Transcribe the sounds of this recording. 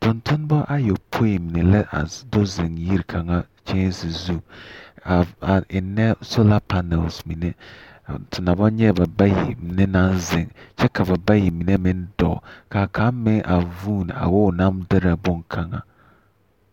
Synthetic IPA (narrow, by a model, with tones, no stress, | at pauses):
tʊ˨ntʊ˦n˦bɔ˦ʔa˦jo˨pʰo˦ji˨mi˨ne˨lɛ˦ʔa̰˨dʊ˦zɪ˨ŋji˦ɾkʰa˨ŋa˦ | t͡ʃe˦n˦si˨zu˦˨a˨a˨ɪ˨nɛ˦so˦la˦pa˦nɛ˨lsmi˨nɛ˦˨ | tʰʊ˨na˨bɔ˦ɲɛ˦˨ba˨ba˦jḭ˨mɪ˨ne˦na˦nzɪ˨ŋt͡ʃɛ˦ka˨ba˨ba˦ji˨mi˨ne˦mɪ˦n˦dɔ̰˨ka˨kʰa˨˦mɪ˦ŋʔa˨vuː˦˨n˨a̰˨wɔ˦˨na˦mdɪ˦ɾa˨bʊ˦ŋkʰa˨ŋa̰˨